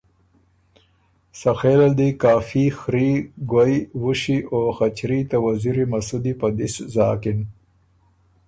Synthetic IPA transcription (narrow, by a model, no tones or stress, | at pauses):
saxeːlald̪ikaːfixɾiɡwajwuɕiʔoxat͡ɕɾit̪awaziɾimɐsud̪ipad̪iszɑːkin